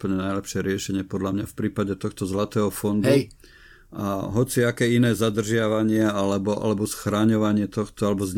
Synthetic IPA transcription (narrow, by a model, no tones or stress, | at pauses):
pəɲɛnajlɛpʃɪɛɾɪɛʃɛɲɪɛpɔd̪ʎamɲafpɾiːpaɟɛt̪ɔxt̪ɔzlat̪ɛːɦɔfɔnd̪u | a̰ɦɔt͡siakɛːinɛːzad̪r̩ʒɪaʋaɲɪɛalɛbɔʔa̰lɛbɔsxɾaːɲɔʋaɲɪɛt̪ɔxt̪ɔalɛbɔzɲ